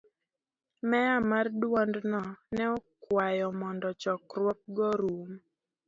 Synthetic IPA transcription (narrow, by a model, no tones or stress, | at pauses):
mɛamardwɔndnɔnɛɔkwajɔmɔndɔt͡ʃɔkrwɔk̚ɡɔɾum